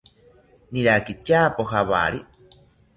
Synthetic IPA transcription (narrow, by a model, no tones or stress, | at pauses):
niɾakit͡ʃapoɦaβa̰ɾi